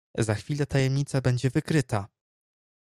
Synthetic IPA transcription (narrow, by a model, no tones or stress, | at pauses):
zaxfʲilɛt̪ajɛmɲit̪sabɛɲd͡ʑɛvɘkɾɘt̪a